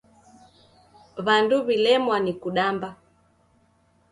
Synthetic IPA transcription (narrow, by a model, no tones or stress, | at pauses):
βanduβilɛmwanikuɗamba